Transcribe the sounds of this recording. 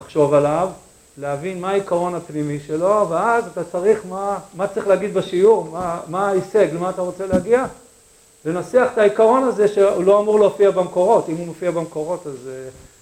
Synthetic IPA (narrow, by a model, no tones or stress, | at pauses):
laχʃo̞valav | leavinmaːikaʁo̞napnimiʃe̞lo̞veazat̪at͡saʁiχmamat͡saʁiχleaɡid̪beʃiuʁmamaiseɡlemaːt̪aʁo̞t͡seleaɡia | le̞nat͡seaχetaikaʁo̞naze̞ʃeulo̞amuʁloofiabemko̞ʁo̞timumefiabemko̞ʁo̞t̪az